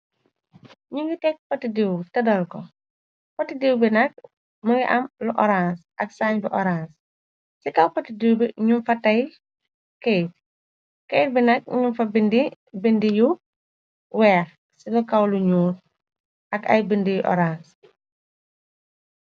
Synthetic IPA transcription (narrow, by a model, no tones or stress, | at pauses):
ɲuŋɡitɛk̚pɐtidiwtɐdɐlkɔ | pɐtidiwbinɐk̚ | mɐŋɡiʔɐmluʔɔɾansʔɐksaːɲbiʔɔɾãns | sikɐwpɐtidiwbiɲumfɐtɐj | kɛjt̚ | kɛjt̚binɐk̚ɲunfɐbindi | bindiju | wɛːx | siɡɐkɐwluɲuːn | ʔɐkɐ̰jbindijuʔɔ̰ɾans